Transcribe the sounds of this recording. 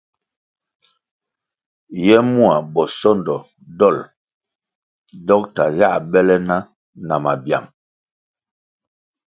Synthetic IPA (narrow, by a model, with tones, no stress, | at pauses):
jɛ˦mu˦a˨bɔ˨sɔ˦˨ndɔ˨ | dɔ˦˨l | dɔ˦k̚ta˨ja˦˨ʔbɛ˦lɛ˦na˦ | na˨ma˨bja̰˨m